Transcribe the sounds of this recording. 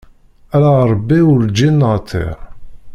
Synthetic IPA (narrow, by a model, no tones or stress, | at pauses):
ælaɾˤbːiʊɾd͡ʒinːəʁt̪ʰˤːḛɾ